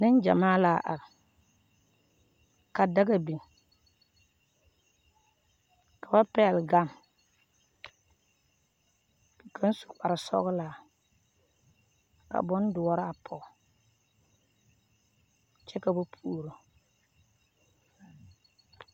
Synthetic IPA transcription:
nɪ˦nd͡ʒa̰˨maː˦laː˨˦˨ʔa˨ɾɪ˨ | ka˨da˦ɡa˨bi˨ŋ | ka˨ba˦pɛ˦˨lɡa˦˨m˨ | kʰa˦n˦su̥˨k͡pa˨ɾɪ˨sɔ̰˦ɣʊ˦laː˨ | ka̰˨bɔ˦n˦dʊ˨ɔ˦ɾa˨pʰɔ˨ | t͡ʃɛ˦ka˨ba˦pʰu˦˨ɾo˨

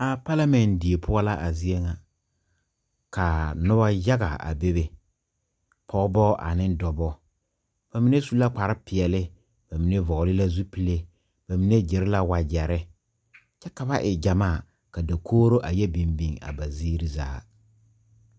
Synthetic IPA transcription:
a˨pa˦la˦mɛ˨ndɪ˨e˨pʰʊ˦a˦la˦ʔa˨zi˦e˦ŋa˨ | ka˨nʊ˦ba˦ja˦ɣa̰˨a̰˨be˦be˨ | pʰɔ˦bɔ˦ʔa̰˨nɪ˦ndɔ˨bɔ˦ | b̥a˨mi˦ne˦su˦la˦k͡pa˨ɾɪ˦pɪ˨ɛ˨lɪ˦ | b̥a˨mi˨ne˦vɔ˨ɣlɪ˦la˦zu˦pi˦le˦ | b̥a˨mi˨ne˦d͡ʒɪ˨ɾɪ˦la˦wa˨d͡ʒɛ˨ɾɪ˦ | t͡ʃɛ˦ka˨ba˦ʔɪ˨d͡ʒa˨maː˦˨ | ka˨da˨kʰoː˦ɾo˦ʔa˨jɛ˦bi˨mbi˨ŋa̰˨ba˨ziː˦ɾi˨za̰ː˦

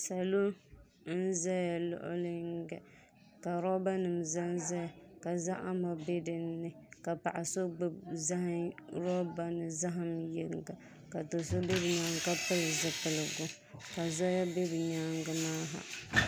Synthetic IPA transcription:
sa˨lo˦ | n˦n̩˦zɛ˦ja˨lʊ̰˦˨ʔʊ̰˦lɨ˦ŋɡɛ̰˨ | ka˨ɾɔ˦ba˦nɨ˨mza˦nza˦ja˨ka˨za˦ʔa˦mɔ˨be˦dɨ˦nːɨ˨ka˨pa̰˨ʔa˨so˦ɡ͡bɨ˦bza˦hɪ˦ɾɔ˦ba˦nɨ˨za˦ɦɨ˦mjɛ˦ŋɡa˨ | ka˨to˨so˦be˦bɨ˨ɲaː˦ŋka˦pɨ˦lɨ˨zɨ˦pɨ˨lɨ˨ɡʊ˦ | ka˨za˦ja˦be˦bɨ˨ɲaː˦ŋɡɨ˦maː˦ɦa̰˨

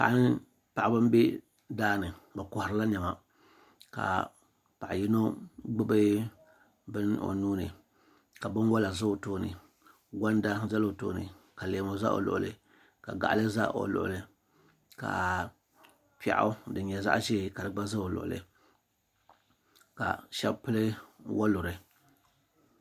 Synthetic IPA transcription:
pa̰˨ʔnɨ˦ | pa˨ʔa˨bɨ˦m˦bi˦ | daː˦nɨ˨bɨ˨kʊ˨hʊ˨ɾɨ˦la˦ɲɛ˨ma˨ | ka̰˨ | pa˨ʔji˦no˦ɡ͡bɨ˦bɨ˦ | bɨ˦no̰˨nuː˦nɨ˨ | ka˨bɨ˦nwa˦la˨zɨ˦o˨toː˦nɨ̰˨ | ɡa˦n˦da˦za˦lo˨to̰ː˦nɨ̰˨ka˨leː˨mo˨za̰˦ʔo̰˨lʊ̰˨ʔʊ̰˨lɨ̰˨ | ka˨ɡa̰˨ʔlɨ˦za̰˦ʔo̰˨lʊ̰˨ʔʊ̰˨lɨ˨ | ka̰˨ | pɛ̰˨ʔʊ̰˦dɨ˨ɲɛ˨za̰˦ʔʒɛ˦˨ka˨dɨ˨ɡ͡ba˦za˦o˨lʊ̰˨ʔʊ̰˨lɨ̰˨ | ka̰˨ʃɛ˦bpɨ˦lɨ˦wʔa˦lʊ˨ɾɨ˨

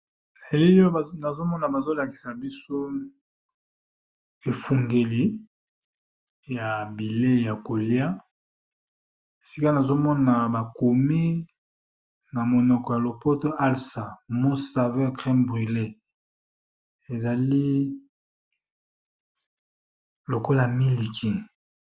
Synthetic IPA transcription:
na˨e˨li˦lo˦˨na˨zo˦mɔ˦na˨ba˨zo˦la˨ki̥˨sa˨bi˦so˦ | e˨fu˨ŋɡe˨li˨ | ja˨bi˨le˦ja˨ko˨lja˦ | e˨si˦ka˦na˨zo˦mɔ˦na˨ba˨ko˨mi˦ | na˨mo˨nɔ˨kɔ˨ja˨lo˨pɔ˦to˦ʔa˦lsa˨mo˦sa˨vɛ˦kʁɛ˦mbʁi˨le˦ | e˨za˨li˦ | lo˨ko˦la˨mi˦li˨kʰi˨

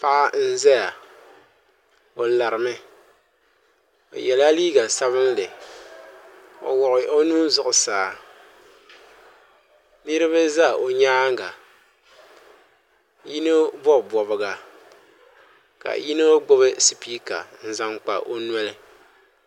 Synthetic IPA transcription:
pa˦ʔa˦n̩˦zɛ˦ja˨ | o˨la˨ɾɨ˨mɨ˦ | o̰˨jɛ˨la˦liː˦ɡa˨sa˦βɨ˦n˦lɨ˨ | o̰˨wɔ˨ʔʊ˨ʔo˦nuː˦n˦zʊ˦˨ʔʊ˨saː˨˦ | li˦ɾɨ˦βɨ˦za˦o˨ɲaː˦ŋ˦ɡa˨ | ji˦nɨ˦bɔ˦˨bɔ˨bɨ˨ɡa˨ | ka̰˨ji˦no˦ɡ͡bʊ˦bɨ˦si˨piː˦ka̰˨n̩˦za˦ŋk͡pa̰˨ʔo˦n˦ɛ˦lɨ˨

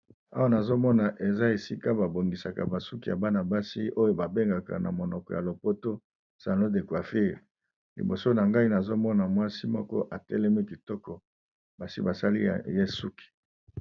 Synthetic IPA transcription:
a˦wa˦na˨zo˦mɔ˦na˨ʔe˨za˦e˨si˦ka˦ba˨bo˨ŋɡi˨sa˨ka̰˨ba˨su˦ki˨ja˨ba˦na˨ba˦si˦o˦jo˦ba˨be˦ŋɡa˨ka̰˨na̰˨mo˨nɔ˨kɔ˨ja˨lo˨po˦to˦ | sa˨lo˦de˨kwa˨fi˦˨ | lḭ˨bo˨so˦na˨ŋɡa˦i˦na˨zo˦mɔ˦na˨mwa˦si˦mɔ˦kɔ̰˦ʔa˨tɛ̰˦lɛ˦mɛ˦ki˨tɔ˦kɔ˨ | ba˨si˦ba˨sa˦li˦a̰˨je˦su˦ki̥˨

